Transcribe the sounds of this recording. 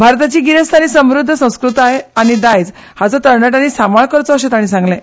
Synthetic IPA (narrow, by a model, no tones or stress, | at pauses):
bʱaɾt̪at͡ɕiːɡiɾest̪ʰañiːsəmɾud̪ʱːəsə̃w̃skɾut̪aɦeaɽ̃id̪ajd͡z | hat͡sɔt̪əɾnaʈ̬anisamaɭkəɾt͡sɔəɕet̪aɽ̃iːsãŋɡlẽ